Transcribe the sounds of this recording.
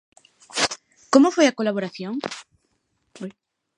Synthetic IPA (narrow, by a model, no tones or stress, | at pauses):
komofojakolaβoɾaθjoŋ